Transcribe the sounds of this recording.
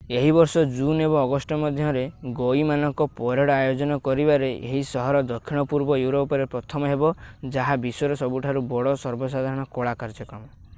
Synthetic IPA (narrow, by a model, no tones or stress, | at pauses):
eɦibɔɾsɔd͡ʒunebɔ̃ŋɔɡɔsʈɔmɔd̪ʱjɔɾeɡoimanɔŋkɔpɔɾeɽajod͡ʒɔnɔkɔɾibaɾeʔḛɦisɔɦɔɾɔd̪ɔkʰːiɽ̃ɔpuɾbɔjuɾopɔɾepɾɔt̪ʰɔmɔɦebɔd͡ʒaɦabisɔɾɔsɔbuʈʰaɾubɔɽɔsɔɾbɔsad̪ʱaɾɔɽ̃ɔkoɭakaɾd͡ʒɔkamɔ